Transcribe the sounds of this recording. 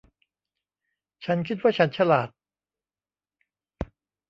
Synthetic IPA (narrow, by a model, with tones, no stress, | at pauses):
t͡ɕʰa˦˥nkʰi˦˥t̪̚waː˥˩t͡ɕʰa˦˥nt͡ɕʰa˧laː˨˩t̪̚